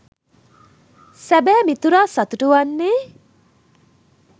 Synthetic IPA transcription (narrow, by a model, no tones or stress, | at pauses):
sæbæːmit̪uɾaːsɐt̪uʈuʋanːeː